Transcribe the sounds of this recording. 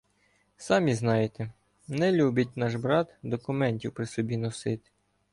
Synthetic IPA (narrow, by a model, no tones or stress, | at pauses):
sɑmʲiznɑjet̪ɛ | nɛlʲubʲɐtʲnɑʒbɾɑt̪d̪ɔkʊmɛnʲtʲiwpɾɪsɔbʲinɔsɪt̪ɪ̥